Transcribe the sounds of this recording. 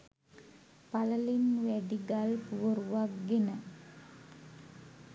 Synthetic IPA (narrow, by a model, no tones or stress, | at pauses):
paləlinʋæɖiɡalpuʋəɾuʋakɡenə